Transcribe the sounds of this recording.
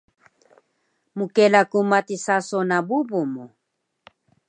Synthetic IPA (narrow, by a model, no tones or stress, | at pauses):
mukelakumat̪isasonabubumo